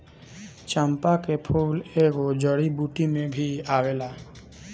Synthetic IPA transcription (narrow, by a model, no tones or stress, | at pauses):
t͡ʃəmpakepʰuːleɡod͡ʒəɽibuʈimẽbʱiaʋela